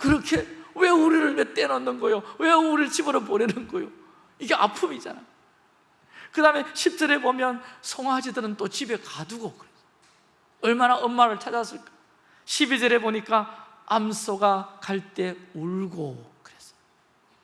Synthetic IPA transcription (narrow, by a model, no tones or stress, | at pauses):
kɯɾʌkʰe̞we̞uɾiɾɯɭwet͈enʌnːɯnɡʌjowe̞uɾiɭt͡ɕibɯɾopoɾenɯnɡʌjo | iɡe̞ʔa̰pʰɯmid͡ʑa̰najo | kɯdame̞ɕʰip̚t͡ɕ͈ʌɾe̞bomjʌnsʰoŋɦad͡ʑidɯɾɯnt͈ot͡ɕibe̞kaduɡokɯɾes͈o̥ | ʌɭmanaʌnmːaɾɯɭt͡ɕʰad͡ʑas͈ɯɭk͈ḁ | ɕʰibid͡ʑʌɾe̞boɲik͈a | amsʰoɡakaɭt͈e̞uɭɡokɯɾe̞s͈ʌ̥j